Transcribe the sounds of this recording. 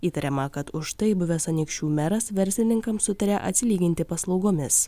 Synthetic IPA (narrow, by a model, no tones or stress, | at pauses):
iːt̪ɐɾʲɛmɐkɐt̪ʊʃt̪ɐɪbʊʋʲɛsɐnʲɪkʃʲt͡ʃʲuːmʲɛɾɐsʋʲɛɾʲsʲlʲɪnʲɪŋkɐmsʊt̪ɐɾʲɛʔɐt̪ʲsʲɪlʲiːɡʲɪnʲt̪ʲɪpɐslˠɒʊɡoːmʲɪs